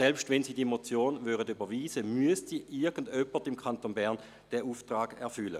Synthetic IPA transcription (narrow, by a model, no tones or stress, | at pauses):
sɛlpʃtvɛnsiːdiemot͡sjoːnvyʁədybɐʋiːzəmyəstsiːʔɪɐɡ̥ən̩dœpːətimkʰantonbɛɐn | d̥ɛuːftʁaːɡ̥ɛɐfʏlə̰